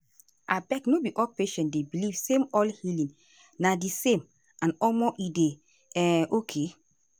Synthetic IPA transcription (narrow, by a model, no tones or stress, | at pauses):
abɛknobiʔɔlpeʃɛ̃ntdebilivsẽmɔlhilĩŋ | nadisẽm | ãnɔmɔʔide | ɛʔokʰe